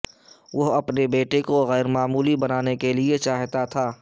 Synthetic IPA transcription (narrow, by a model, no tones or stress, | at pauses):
ʋoɦɐpnebeːʈekoɣɛːɾmaːmuːlibɐnaːnekeliet͡ʃaːɦt̪at̪ʰaː